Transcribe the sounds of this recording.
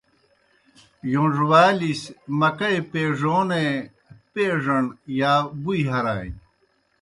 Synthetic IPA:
jõnʐwaːlismɐkɐepeːʐoːne | peːʐɐɳjaːbuiɦɐɾaːj

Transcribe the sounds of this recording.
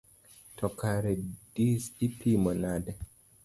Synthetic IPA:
tɔkaɾɛd̥isipʰimɔnadɛ

